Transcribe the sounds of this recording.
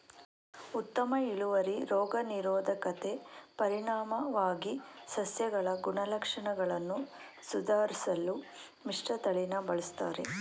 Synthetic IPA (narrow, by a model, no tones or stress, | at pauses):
ut̪ːɐmɐiɭuʋɐɾiɾɔːɡɐniɾɔːd̪ʱɐkɐt̪e̞pɐɾiɳaːmɐʋaːɡisɐsjɐɡɐɭɐɡuɳɐlɐkʂɐɳɐɡɐɭɐnːu | sud̪ʱaːɾisɐlːu | miʂʈɐt̪ɐɭinɐbɐɭist̪aːɾḛ